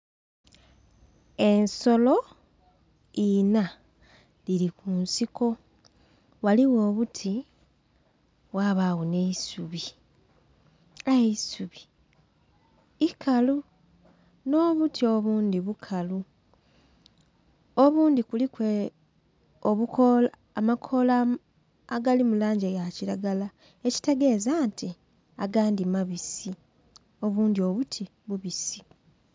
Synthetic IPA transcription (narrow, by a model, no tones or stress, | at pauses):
e̞nso̞lo̞ | ina | lilikuːnsiko̞ | waliwo̞ːβutʰi | waβaɣune̞isuβi | aisuβi̥ | ikʰalu | no̞ːβutʰio̞βuːndiβukʰalu | oβuːndikulikwe | oβukʰol | amakʰolaː | ɡalimulaːɲɟejaciɾaɡala | e̞ci̥te̞ɡe̞ːzaːnti | aɡaːndimaβisi | o̞βuːndio̞βutʰi | βuβisi